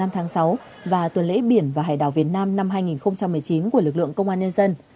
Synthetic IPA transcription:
a˧mt̪ʰaː˨˦ŋsa˨˦w | vaː˨˩t̪wə˨˩nlḛ˧˥ɓi˧˩ənvaː˨˩ɦa̰ː˧˩jɗa̰ː˧˨wvi˨˩ət̚naː˧mna˧mɦaː˧jŋi˨˩nxə˧wŋ͡mt͡ɕa˧mːɨ˨˩əjt͡ɕi˨˦nku˧˩əlɨ˨˩k̚lɨ̰˧˨əŋkə˧wŋ͡mʔaː˧nɲə˧nzə˧n

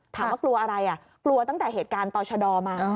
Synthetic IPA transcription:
t̪ʰaː˨˩˦mwaː˥˩klu˧ɐʔa˧ɾa˧jʔa˨˩ | klu˧ɐt̪a˥˩ŋt̪ɛː˨˩ɦeː˨˩t̪̚kaː˧nt̪ɔː˧t͡ɕʰa˧dɔː˧maː˧

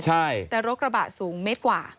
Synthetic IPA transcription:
t͡ɕʰa˥˩jt̪ɛː˨˩ɾo˦˥k̚ɾa˧baː˨˩t̪̚suː˩˦ŋme˦˥t̪̚kwaː˨˩

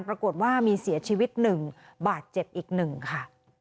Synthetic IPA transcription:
npɾa˧ko˨˩t̪̚waː˥˩miː˧si˨˩˦ɐt͡ɕʰiː˧wi˦˥t̪̚nɯ˨˩ŋ | baː˨˩t̪̚t͡ɕe˨˩p̚ʔiː˨˩k̚nɯ˨˩ŋkʰa˥˩

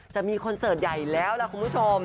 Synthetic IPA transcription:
t͡ɕa˨˩ʔmiː˧kʰo˧nsɤː˨˩t̪̚ja˨˩jlɛː˦˥wlɛ˧˥˩kʰu˧npʰu˦˥t͡ɕʰo˧m

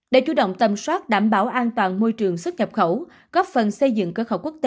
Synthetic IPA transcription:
ɗe˧˩t͡ɕu˧˨˦ɗə̰˧˨wŋ͡mt̪ə˨˩mswaː˦˥t̚ɗaː˧˩mɓaː˧˩wʔaː˧nt̪waː˨˩nmo˧jt͡ɕɨ˨˩əŋsə˦˥t̚ɲə˨˩p̚xə˧˩˦w | ɣɔ˦˥p̚fə˨˩nsə˧jzɨ̰˧˨ŋkəː˧˦xə˧˩wku˦˥ək̚t̪e˧

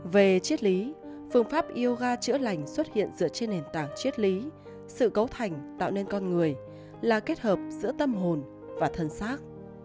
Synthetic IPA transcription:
ve˨˩t͡ɕi˦˥ət̚li˨˦ | fɨ˧əŋfaː˦˥p̚ʔi˧əwɣaː˧t͡ɕɨ̰˧˥əla˨˩jŋ̟swə˦˥t̚hḭ˧˨ənzɨ̰˧˥ət͡ɕe˧nːe˨˩nt̪a̰ː˨˩ŋt͡ɕi˦˥ət̚li˨˦ | sɨ̰˧˨kə˨˦wt̪ʰa˨˩jŋ̟t̪a̰ː˧˨wne˧nkɔ˧nŋɨ˨˩əj | laː˨˩ke˦˥t̚həː˨˩p̚z̥ɨ̰˧˥ət̪ə˧mɦo˨˩n | vaː˨˩t̪ʰə˨˩nsaː˦˥k̚

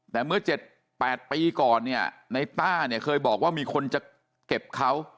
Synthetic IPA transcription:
t̪ɛː˨˩mɯ˥˩ɐt͡ɕe˨˩t̪̚ | pɛː˨˩t̪̚piː˧kɔː˨˩nːi˥˩ɐna˧jt̪aː˥˩ni˥˩ɐkʰɤː˧jbɔː˨˩k̚waː˥˩miː˧kʰo˧nt͡ɕa˨˩ | ke˨˩p̚kʰa˦˥w

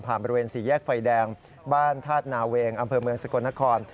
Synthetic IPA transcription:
mpʰaː˨˩nbɔ˧ɾi˧weː˧nsiː˩˦jɛː˥˩k̚fa˧jdɛː˧ŋ | baː˥˩nt̪ʰaː˥˩t̪̚naː˩˦weː˧ŋʔa˧mpʰɤː˧mɯ˧əŋsa˧ku˧na˦˥kʰɔː˧n

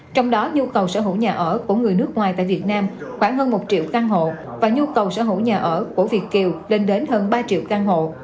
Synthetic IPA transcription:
t͡ɕɔ˧wŋ͡mɗɔ˨˦ɲu˧kə˨˩wsəː˧˩ɦṵ˧˩ɲaː˨˩ʔəː˧˩ku˧˩ŋɨ˨˩əjnɨ˦˥k̚ŋwaː˨˩jt̪a̰ː˧˨jvi˨˩ət̚naː˧mxwaː˧˩ŋɦəː˧nmo˨˩t̚t͡ɕḭ˧˨wkaː˧ŋɦo̰˧˨ | vaː˨˩ɲu˧kə˨˩wsə̰˧˥˩hɦṵ˧˩ɲaː˨˩ʔəː˧˩ku˧˩əvi˨˩əkːi˨˩wle˧nɗe˨˦nɦəː˧nɓaː˧t͡ɕḭ˧˨wkaː˧ŋɦo̰˧˨

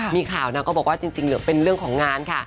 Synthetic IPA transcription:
miː˧kʰaː˨˩wna˦˥kɔː˥˩bɔː˨˩waː˥˩t͡ɕi˧ŋt͡ɕi˧ŋlɯ˦pe˧nɾɯ˥˩əŋkʰɔː˩˦ŋːaː˧nkʰa˥˩

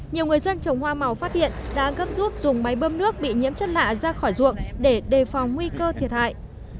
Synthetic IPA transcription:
ɲi˨˩əwŋɨ˨˩əjzə˧nt͡ɕə˨˩wŋ͡mhwaː˧ma˨˩wfaː˦˥t̚hḭ˧˨ənɗa̰ː˧˥ɣə˦˥p̚zu˦˥t̚zʊ˨˩ŋ͡mma˨˦jɓə˧mnɨ˦˥ək̚ɓḭ˧˨ɲḭ˧˥əmt͡ɕə˦˥t̚la̰ː˧˨zaː˧xɔ˧˩jzṵ˧˨əŋɗe˧˩ɗe˨˩fa˨˩wŋ͡mŋwi˧kəː˧t̪ʰi˨˩ət̚ha̰ː˧˨jʔ

